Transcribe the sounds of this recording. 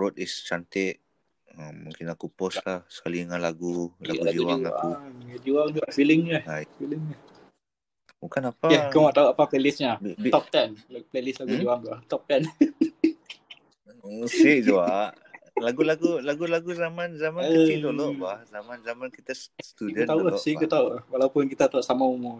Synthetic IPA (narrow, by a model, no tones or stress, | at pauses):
ɾot̪ist͡ʃant̪ɪʔ̪̚ | əmmũŋkɪnakupɔslahsə̥kaliəŋanlaɡula̰ɡud͡ʒiwaŋakuad͡ʒuaŋɡ̪ɔʔfiliŋahajfiliŋah | bukanapaakəwaʔt̪auapaplelisɲabt̪ɔp̚t̪ɛnlplelɪslaɡud͡ʒuaŋɡ̪aʔt̪ɔp̚t̪ɛn | siʔd͡ʒuaʔ | laɡulaɡulaɡulaɡuzamanzamanit̪olɔʔbahzamanzamankit̪assət̪udət̪aulasikut̪aulahwalaupʊnkit̪at̪auʔsamaumu